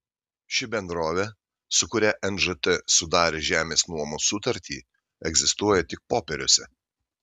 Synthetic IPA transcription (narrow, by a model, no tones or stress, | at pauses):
ʃʲɪbʲɛnd̪ɾoːʋʲɛ | sʊkʊɾʲɛʔɛnʒɨt̪ɛsʊd̪ɑːɾʲeːʒʲæːmʲeːsnuɔmosʊt̪ɐɾʲt̪ʲʰḭː | ɛɡzʲɪst̪uɔjɛt̪ʲɪk̚poːpʲɛɾʲʊsʲɛ